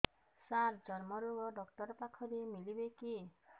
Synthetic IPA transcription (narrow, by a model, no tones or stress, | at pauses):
saɾd͡ʒɔɾmɔɾuɡɔɖɔktɔɾpakʰɔɾemilibeki